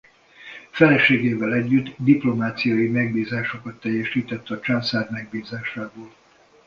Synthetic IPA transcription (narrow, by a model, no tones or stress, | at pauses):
fɛlɛʃeːɡeːvɛlɛɟːyd̪d̪iplo̞maːt̪sijɒjimɛɡ̚biːzaːʃo̞kɒt̪ːɛjːɛʃiːt̪ɛt̪ːɒt͡ʃansaːɾmɛɡ̚biːzaːʃaːboːl